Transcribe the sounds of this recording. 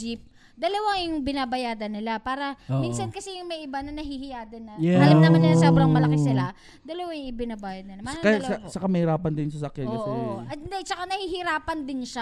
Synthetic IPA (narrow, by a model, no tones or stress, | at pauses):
ip̚ | d̪ɐlɐwajʊŋbɪnaːbɐjaːd̪ɐnɪlapaːɾɐmmiːnsɐnkɐsɛjʊŋmɐjʔɪbanɐnɐɦihɪjaːd̪ɐnːɐalɐnɐmanːɪlaasobɾɐŋmɐlɐkɪsɪla | d̪ɐlɐwajʊŋɪbɪnabaːjɐd̪̚nɪlɐmmɐnkɐjt͡ʃɐkamɐhɪɾaːpɐnd̪ɪnsɐsɐkjankɐsɛɐd̪at͡ʃɐkanɐhihɪɾaːpɐnd̪ɪnʃa